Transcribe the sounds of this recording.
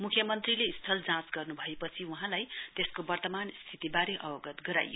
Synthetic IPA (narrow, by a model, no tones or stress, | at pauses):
mukʰjʌmʌnt̪rileist̪ʰʌld͡zãsɡʌrnubʱʌepʌt͡sʰiuɦãlajt̪eskobʌrt̪ʌmanst̪ʰit̪ibaɾeʔʌbʌɡʌt̪ɡʌɾa̰jo̰